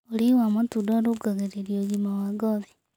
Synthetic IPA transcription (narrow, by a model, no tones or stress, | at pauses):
oɾiwamatudɔɾoɡaɣeɾeɾjoɣimawaɡɔði